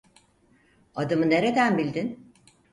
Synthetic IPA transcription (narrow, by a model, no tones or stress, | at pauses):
ad̪ɯmɯne̞ɾe̞d̪ænbilʲd̪in